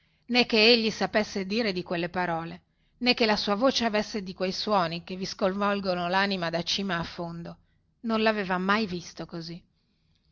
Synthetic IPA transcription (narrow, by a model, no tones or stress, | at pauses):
nɛkːeeʎːisapesːed̪iːɾed̪ikwelːepaɾɔːle | nɛkːelasuːavoːt͡ʃeavesːed̪ikwejswɔːnikeviskolvɔlɡonolanimad̪at͡ʃiːmaːfːond̪o | nonlaveːvamajvist̪okozi